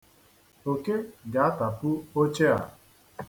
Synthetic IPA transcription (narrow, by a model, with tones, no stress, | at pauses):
o˨ke˦ɡa˨a˦ta˨pʊ˦o˦t͡ʃe˦a̰˨